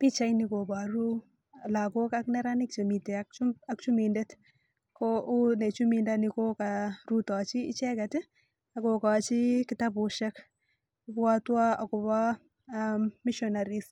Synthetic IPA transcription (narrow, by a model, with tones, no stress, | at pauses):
pi˦t͡ʃa˦jniko˨baɾu˦˨ | la˨ko˦kaknɛ˦ɾanɪ˦k̚t͡ʃe˨mi˨teakt͡ʃakt͡ʃu˦mindɛt | kʰɔʊ˦ne˨t͡ʃumindaniko˦kaɾu˦ta˨t͡ʃiː˦t͡ʃɛ˦katɪ˦ | ako˨ka˨t͡ʃi˦kɪta˦bʊ˨ʃɛk | bwa˦twa˦a˨kɔ˨ba | miʃɔnaɾis